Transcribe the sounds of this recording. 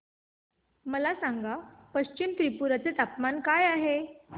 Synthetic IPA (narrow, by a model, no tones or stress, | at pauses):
məlasãŋɡapəɕt͡ɕimt̪ɾipuɾat͡set̪apmankajaɦe